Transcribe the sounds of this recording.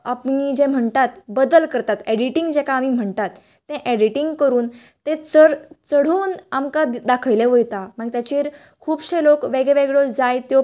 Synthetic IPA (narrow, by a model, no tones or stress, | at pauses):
apɳid͡ʑẽm̤əɳt̪at̪bəd̪əlkəɾt̪at̪eɽiʈiŋɡd͡zekaːmim̤əɳt̪at̪ː | ẽʔeɽiʈiŋɡkəɾuːn | t̪ẽt͡səɽt͡səɽ̤uːnamkad̪akʰəjleʋəjt̪am̤əɡt̪jat͡ɕiːɾ | kʰuːbɕelokʋeɡeʋeɡɭod͡zajt̪jo